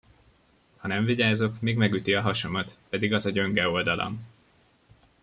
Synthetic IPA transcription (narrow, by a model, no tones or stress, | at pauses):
hɒnɛɱviɟaːzo̞kmiːɡmɛɡyt̪iɒɦɒʃo̞mɒt̪pɛd̪iɡɒzɒɟø̞ŋɡɛo̞ld̪ɒlʔo̰m